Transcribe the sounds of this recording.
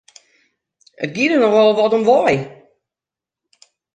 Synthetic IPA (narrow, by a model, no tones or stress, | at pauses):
ə̰t̚ɡidənɔxɔlˠʋɔtɔmʋɔj